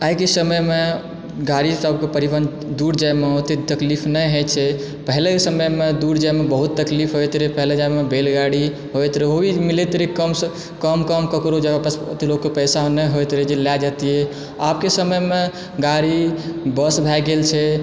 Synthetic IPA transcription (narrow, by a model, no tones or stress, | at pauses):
aikesəməjme | ɡaɾisəbkepəɾibən | d̪uɾd͡ʒajmeɦot̪et̪əklipʰnəjɦet͡ʃʰɛ | pəɦlesəməjmed̪uɾd͡ʒajmebəɦut̪ːəklipʰɦojt̪ɾepəɦled͡ʒajmebelɡaɽi | ɦojt̪ɾəɦobʱimilet̪ɾikəms | kəmkəmkəkɾod͡ʒabapst̪elokːepəjsanəjɦojt̪ɾəd͡ʒelad͡ʒat̪iɦɛ | apkesəməjme | ɡaɾibəsbʱɛɡelt͡ʃʰɛ